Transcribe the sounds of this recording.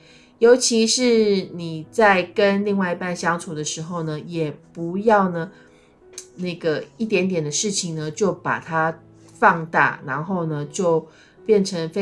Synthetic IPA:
jo˧˥ʊt͡ɕʰi˧˥ʂɻ̩˥˩ni˨˩t͡sa˥˩ɪkə˦˥nli˥˧ŋwa˥˧ɪi˧˥pa˥˩nɕjɑ˥ŋt͡sʰu˨˩d̪ə˦ʂɻ̩˧˥xo˥˧ʊnə˩jɛ˨˩pu˧˦˥jɑ˥˩ʊnə˩ | na˥˩ɡə˩i˥˩t̪̬jɛ˧˥nt̪jɛ˨˩nd̪ə˦ʂɻ̩˥˩t͡ɕʰi˨˩ŋnə˩t͡ɕjo˥˩ʊpa̰˨˩t̪ʰa˥ | fɑ˥˧ŋt̪a̰˥˩na˧˥nxo˥˩ʊnə˩t͡ɕjo˥˩ʊ | pjɛ˥˩nʈ͡ʂʰə˧˥ŋfe˥

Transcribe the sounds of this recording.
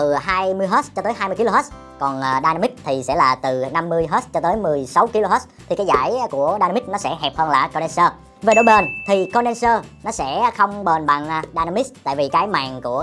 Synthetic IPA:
ɨ˨˩ɦaː˧jmɨ˧əjɦə˦˥t͡ɕɔ˧t̪əː˨˦jɦaː˧jmɨ˧əki˧lo˧ɦə˦˥ | kɔ˨˩nʔːɗaː˧na˧mi˦˥t̚t̪ʰi˨˩sɛ̰˧˥laː˨˩t̪ɨ˨˩na˧mːɨ˧əjɦəː˦˥t͡ɕɔ˧t̪əː˨˦jmɨ˨˩əjsa˨˦wki˧lo˧ɦə˦˥t̪ʰi˨˩kaː˨˦jzaː˧˥˩jku˧˩əɗaː˧na˧mi˦˥t̚nɔ˨˦sɛ̰˧˥ɦɛ˨˩p̚həː˧nlaː˨˩kɔ˧nɛ˧nsəː˧ | ve˨˩ɗo˧˩˦jɓə˨˩nt̪ʰi˨˩kɔ˧nɗɛ˧nsəː˧nɔ˨˦sɛ̰˧˥xə˧wŋ͡mɓə˨˩nɓa˨˩ŋʔːɗaː˧na˧mi˦˥t̪a̰ː˧˨jvi˨˩kaː˨˦jma̰ː˨˩ŋku˧˩ə

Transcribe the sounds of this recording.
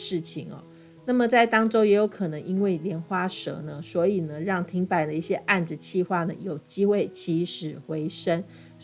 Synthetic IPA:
ɻ̩˥˩t͡ɕʰi˨˩ŋɐ̰˨˩ | na˥˩mə˨˩t͡sa˥˩ɪt̪ɑ˥ŋʈ͡ʂo˥ʊjɛ˧˥jo˨˧˥ʊkʰɤ˨˩nɤ˧˦ŋʔi˦˥nwe˥˩ɪljɛ˧˥nxwa˥ʂɤ̰˧˥nə˧swɔ˧˥i˨˩nə˦ɻɑ˥˩ŋt̪ʰi˧˥ŋpa˨˩ɪd̪ə˦i˥˩ɕjɛ˦ʔa˥˩nd͡z̩˨˩t͡ɕʰi˥˧xwa˥˩nə˩jo˨˩ʊt͡ɕi˥xwe˥˩ɪt͡ɕi˧˥ʂɻ̩˨˩xwe˧˥ɪʂə˥n

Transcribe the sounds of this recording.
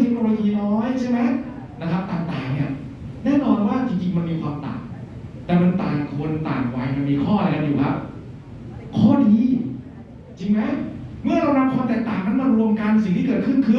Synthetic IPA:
t̪ʰe˦˥k̚noː˧loː˧jiː˧nɔː˦˥jt͡ɕʰa˥˩ma˦˥j | na˦˥kʰa˦˥p̚t̪aː˨˩ŋt̪aː˨˩ŋni˦˥˩ɐ | nɛː˥˨nɔː˧nwaː˥˩t̪ʰi˧ŋt͡ɕi˧ŋma˧nmiː˧kʰwaː˧mt̪a̰ː˨˩ | t̪ɛː˨˩ma˧nt̪aː˨˩nkʰu˧ənt̪a̰ː˨˩nwa˧jma˧nmiː˧kʰɔː˥˩˧a˦˥juː˨˩ka˦˧˥p̚ | kʰɔː˥˩diː˧ | t͡ɕi˧ŋma˦˥mɯ˥˩ɐɾa˧wɾa˦˧p̚kʰwɔː˧mt̪ɛː˨˩k̚t̪aː˨˩ŋma˧˥˩nma˧ɾu˧əmka˧n˧si˨˩ŋt̪ʰiː˥˩kɤː˨˩t̪̚kʰɯ˥˩nkʰɯ˧

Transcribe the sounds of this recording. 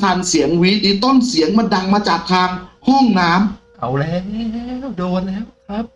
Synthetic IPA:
t̪ʰaː˧nsi˩˦əŋwi˦˥diː˧˥t̪o˥˩nsi˨˩˦əŋmaː˧da˧ŋmaː˧t͡ɕaː˨˩k̚t̪ʰaː˧ŋhɔ˥˩ŋnaː˦˥mka˨˩wlɛː˦˥wlɛː˧˥˦wdoː˧nlɛː˦˥wkʰɾa˦˥p̚

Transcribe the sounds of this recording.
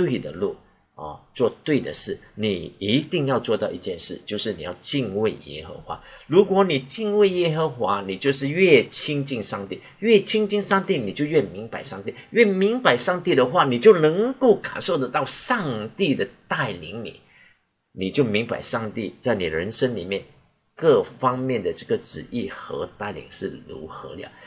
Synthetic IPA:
t̪we˥˩ɪd̪ə̰˨lṵ˥˩ | ɔ̰˨˩t͡swɔ˥˧t̪we˥˩ɪd̪ə̰˩ʂɻ̩˥˩ni˨˩i˧˥t̪i˥˧ŋjɑ˥˧ʊt͡swɔ˥˧t̪ɑ˥˧ʊi˥˩t͡ɕjɛ˥˧nʂɻ̩˥˩t͡ɕjo˥˧ʊʂɻ̩˥˩ni˨˩jɑ̰˥˧ʊt͡ɕi˥˧nwe˥˩ɪjɛ̰˥xə̰˧˥xwa̰˧˥˦ɻu˧˥kwɔ˧˥˦ni˨˩t͡ɕi˥˧nwe˥˩ɪjɛ˥xə˧˥xwa˧˥ni˨˩t͡ɕjo˥˧ʊʂɻ̩˥˧ɥɛ˥˩t͡ɕʰi˥ŋt͡ɕi˥˧nʂɑ˥˧ŋt̪i˥˩ | ɥɛ˥˩t͡ɕʰi˥ŋt͡ɕi˥˧ŋʂɑ˥˧ŋt̪i˥˩ni˨˩t͡ɕjo˥˧ʊɥɛ˥˩mi˧˥ŋpa˨˦ɪʂɑ˥˧ŋt̪i˥˩ɥɛ˥˩mi˧˥ŋpa˧˥ɪʂɑ˥˧ŋt̪i˥˩d̪ə˩xwa˥˩ni˨˩t͡ɕjo˥˩ʊnɤ˧˥ŋko˥˩ʊka̰˨˩nʂo˥ʊd̪ə˨t̪ɑ˥˧ʊʂɑ˥˧ŋt̪i˥˩d̪ə˨˩t̪a˥˩ɪlḭ˧˥ŋnḭ˨˩˦ | ni˨˩t͡ɕjo˥˩ʊmi˧˥ŋpa̰˨˩ɪʂɑ˥˧ŋt̪i˥˩t͡sa˥˩ɪni˨˩ɻə˧˥nʂə˥nlḭ˨˩mjɛ˥˩n | kɤ˥˩fɑ˥ŋmjɛ˥˩nd̪ə˩ʈ͡ʂɤ˥˩ɡə˩ʈ͡ʂɻ̩̰˨˩i˥˩xɤ̰˧˥t̪a˥˩ɪlḭ˧˩˦ŋʂɻ̩˥˩lṵ˧˥xɤ̰˧˥lja̰˨˩˦

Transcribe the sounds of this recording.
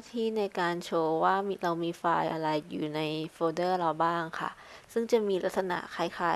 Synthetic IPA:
a˥t̪ʰiː˥˩na˧jkaː˧nt͡ɕʰoː˧waː˥˩m˧ɾa˧wmiː˧faː˧jʔa˧ɾa˧jːṵː˨˩na˧jfoː˧dɤː˥˩ɾa˧wbaː˥˩ŋkʰa̰˥˩ | sɯ˥˩ŋt͡ɕa˨˩miː˧la˦t̪ʰsa˧na̰˨˩ʔkʰaː˧˩jkʰaː˨˩

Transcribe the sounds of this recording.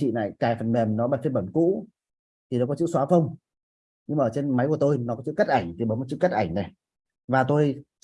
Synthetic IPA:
ḭ˧˨na̰ː˧˨jkaː˧˩fə˨˩nɓɛ˨˩mnɔ˨˦ɓaː˨˩fi˧ɓə˧˩nkṵ˧˥ | t̪ʰi˨˩nɔ˨˦kɔ˨˦t͡ɕɨ̰˧˥swaː˨˦fə˧wŋ͡m | ɲɨ˧ŋma˨əː˧˩t͡ɕe˧nma˨˦jku˧˩ət̪o˧jnɔ˨˦kɔ˨˦t͡ɕɨ̰˧˥kə˦˥t̚ʔa˧˩jŋ̟t̪i˨˩ɓə˨˦nm˨˩t̚t͡ɕɨ̰˧˥˦kə˦˥t̚ʔa˧˩jŋnɛ˨˩ | vaː˨˩t̪o˧j

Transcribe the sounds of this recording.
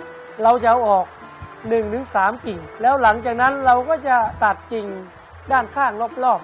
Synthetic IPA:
ɾa˧wt͡ɕa˧˦wʔɔː˨˩k̚ | nɯ˨˩ŋt̪ɯ˨˩˦ŋsaː˩˦mki˨˩ŋlɛː˦˥wla˩˦ŋt͡ɕaː˨˩k̚na˦˥nɾa˧wkɔː˥˩t͡ɕa˨˩t̪a˨˩t̪̚t͡ɕi˨˩ŋ | daː˥˩nkʰaː˥˩ŋlo˥˩p̚lɔː˥˩p̚

